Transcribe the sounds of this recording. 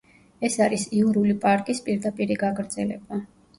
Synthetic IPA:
ɛsaɾisiuɾulipʼaɾkʼispʼiɾd̪apʼiɾiɡaɡʼɾd̪zɛlɛ̰ba

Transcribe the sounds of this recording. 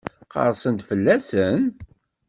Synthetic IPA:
qə̰ɾˤsənd̪fəlːæsən

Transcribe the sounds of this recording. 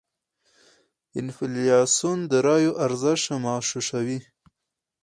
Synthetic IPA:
ɪnfɪlijɑsund̪əɾɑjoʔaɾzəʃamɑːʃuʃawi

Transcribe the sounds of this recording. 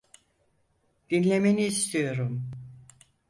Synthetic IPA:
d̪̥inlʲe̞meniːst̪ʰijo̞ɾum

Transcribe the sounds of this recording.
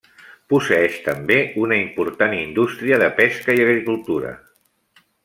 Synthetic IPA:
pusəɛʃt̪əmbeunəimpuɾt̪anind̪ust̪ɾiəðəpɛskəiəɣɾikulˠt̪uɾə̰

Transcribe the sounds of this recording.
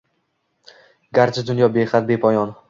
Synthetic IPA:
ɡʲaɾt͡ʃʰad̪ʊnjɒbeχat̪̚bepʰɒjɒn

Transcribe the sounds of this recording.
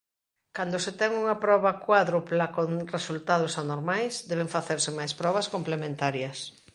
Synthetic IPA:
kand̪oset̪ɛŋuŋɐpɾɔβɐkwaðɾuplakoŋresult̪að̞ʊsanoɾmajsd̪ɛβ̞eŋfaθeɾsɪmajspɾɔβɐskomplemẽnt̪aɾjɐs

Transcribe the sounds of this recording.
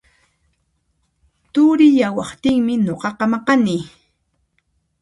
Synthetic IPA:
t̪ʊɾɪjawɑχt̪ɪŋmɪnoqɑqɑmɑqɑniː

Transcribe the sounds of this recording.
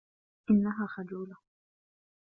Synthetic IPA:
ʔɪnːaɦaːxad͡ʒuːla

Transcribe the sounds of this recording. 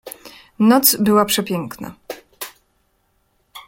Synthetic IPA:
nɔt̪sbɘwapʂɛpʲjɛŋkna̰

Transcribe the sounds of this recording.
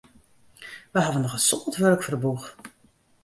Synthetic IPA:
ʋəɦadənɔχənsɔbətʋørkfərbux

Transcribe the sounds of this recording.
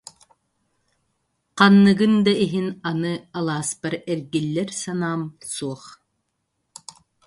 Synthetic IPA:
qɑnːɯɡɯnd̪aiɦinanɯalˠaːspaɾɛɾɡilːɛɾsanaːmsuɔχ

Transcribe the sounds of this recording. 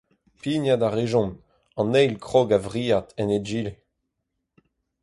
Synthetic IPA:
pinjadaʁeʒɔ̃n | ɑ̃nɛjlkχoɡavʁiːat̪ɛned͡ʒiːle

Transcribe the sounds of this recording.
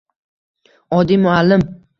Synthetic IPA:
ɒd̪imʊalːɪm

